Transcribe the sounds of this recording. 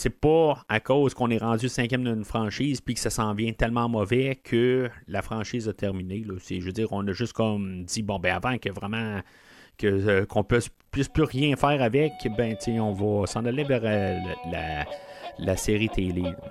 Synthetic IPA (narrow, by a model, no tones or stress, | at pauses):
sɛpɔakoːz̥kɔ̃nɛʁɑ̃dd͡zysɛ̃kʲjɛmd̪nfχɑ̃ːʃiːzpɥikə̥sasɑ̃ːvjɛ̃t̪ɛlmɑ̃mɔvɛkʰəlafχɑ̃ːʃiːzat̪ʰɛʁminelɔsɛʒød͡ziːʁɔ̃nəʒʏst̪kɔmd͡z̪ibɔ̃bɛ̃avãkəvʁɛmã | kəkɔ̃pɥɪspɥɪsplyʁjɛ̃fɛːʁavɛkbɛ̃t͡seɔ̃vʌsɑ̃ːnalevɛʁlla̰ | laseːʁit̪ʰele